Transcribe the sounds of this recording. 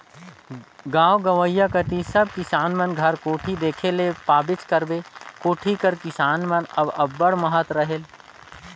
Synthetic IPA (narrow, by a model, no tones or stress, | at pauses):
ɡãːwɡɐʋəjːakət̪isɐb̚kɪsaːnmɐnɡʱɐɾkoːʈʰid̪eːkʰelepaːbɪt͡ʃkɐɾbekoːʈʰikəɾkɪsaːnmɐnɐbɐbːəɽmɐɦət̪ɾɐɦel